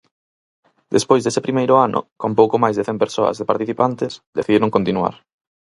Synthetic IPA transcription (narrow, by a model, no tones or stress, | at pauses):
d̪espojzðesepɾimejɾʊanʔʊ̰kõmp̬owkomajzðeθɛmpeɾsoɐ̰zðepaɾt̪iθipant̪ɪsd̪eθiðiɾõŋkont̪inua̰ɾ